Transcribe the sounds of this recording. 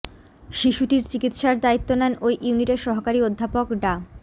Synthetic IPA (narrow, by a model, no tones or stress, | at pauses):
ʃiʃuʈiɾt͡ɕikit̪ʃaɾd̪ait̪ːonɛnojʔuniʈeɾʃɔɦokaɾiod̪ʱːapokɖa